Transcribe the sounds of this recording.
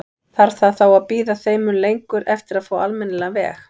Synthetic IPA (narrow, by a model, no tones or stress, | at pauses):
θaɾ̥θaðθawaðpiːðaθeːjmʏnlejŋkʏɾʔɛft̪ɪɾaðfoːalmɛnːlɛavɛ̰ːx